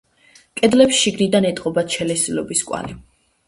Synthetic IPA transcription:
kʼɛd̪lɛpsʃiɡnid̪anɛt̪ʼqʼɔbat̪ʃʰɛlɛsilɔbiskʼwa̰li

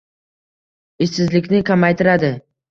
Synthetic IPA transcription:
ɪʃɪzlɪkʲnɪkʲʰamajt̪ʰɪɾad̪ɪ

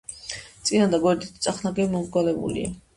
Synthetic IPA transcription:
t̪sʼinand̪aɡwɛɾd̪it̪ʰt̪sʼaχnaɡɛmɔmɡwalɛbṵlḭa̰

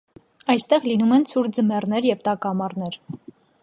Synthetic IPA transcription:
ɑjst̪ɛʁlinumɛnsʰuɾd͡zəmɛrnɛɾjɛvt̪ɑkɑmɑrnɛɾ

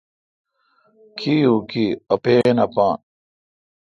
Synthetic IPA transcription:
kʰijukiɐpeːnɐpaːn

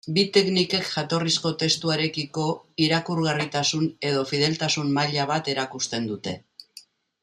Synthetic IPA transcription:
bit̪e̞knike̞kʝat̪o̞risko̞t̪e̞st̪uaɾe̞kiko̞iɾakuɾɣarit̪asune̞ð̞o̞fið̞e̞lt̪asummaʎaβ̞at̪e̞ɾakust̪e̞nd̪ut̪e̞

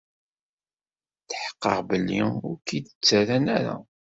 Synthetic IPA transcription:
θħə̥qːə̰ʁbəlːiʊɾkid̪ət͡sːæɾænæɾa̰

